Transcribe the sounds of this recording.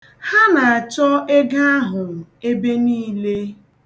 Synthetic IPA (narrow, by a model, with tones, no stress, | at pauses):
ha˦na˨a˨t͡ʃɔ˦e˦ɡa˦a˦ɦʊ˨m̩˨e˦be˦niː˦le˦